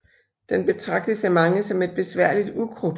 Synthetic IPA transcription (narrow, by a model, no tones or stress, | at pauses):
d̥enb̥e̝t͡sʰʁɑ̈ɡ̥d̥əsæmɑ̈ŋəsɒ̽me̝d̥̚b̥e̝sʋæɐ̰lid̥ukʰʁo